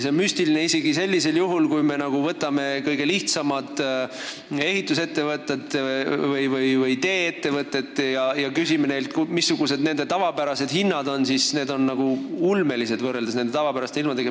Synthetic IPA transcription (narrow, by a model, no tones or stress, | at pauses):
seonmysʲt̪iline̞ise̞ɡise̞lʲːise̞ljuɦulkujme̞nɑɡ̥uvɤt̪ːˑɑme̞kɤjɡe̞liht̪sɑmɑt̪ | e̞hit̪ːˑuse̞t̪ːe̞vɤt̪ːˑet̪vɤjvɯjvɯjt̪e̞ːet̪ːe̞vɤt̪ːˑe̞t̪ːˑjɑjɑkysimene̞jlt̪kumisːuɡ̥use̞d̪ne̞nd̪̥e̞t̪ɑvɑpæɾɑse̞d̪̥hinːɑd̪o̞nsisne̞ːd̪o̞nːɑɡ̥uulme̞lise̞d̪̥vɤrːe̞ld̪esnend̪e̞t̪ɑvɑpæɾɑst̪eilmɑt̪eɡe